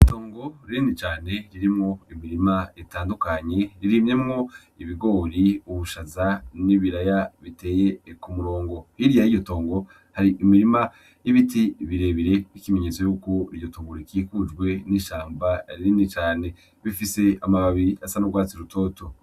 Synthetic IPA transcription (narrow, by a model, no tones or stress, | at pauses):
ito̞ːŋɡo̞ɾinit͡ʃaːne̞ɾiɾimŋo̞imiɾimaetaːndukaɲe̞ɾiɾimɲe̞mŋo̞ | iβiɡo̞ːɾiuβuʃazaniβiɾajaβite̞ːje̞kumuɾo̞ːŋɡo̞hiɾijaijo̞to̞ːŋɡo̞ | haɾiʔimiɾima | jiβitiβiɾe̞βiɾe̞βikime̞ɲet͡sojuko̞ijo̞tuɡuɾikiːkud͡ʒɡwe̞niʃaːmbaɾiɾinit͡ʃaːne̞ | βifise̞amaβaβiɾiasanubɡwaːt͡siɾutʰo̞ːtʰo